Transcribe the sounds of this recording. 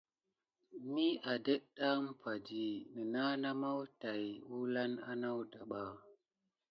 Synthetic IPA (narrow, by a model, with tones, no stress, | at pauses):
mi˦ʔa˨də˦ɗa˦m˦pa˨d͡ʒi˨nə˨na˦na˦ma˦wta˨jwu˦la˦na˦na˦wda˨ɓa˨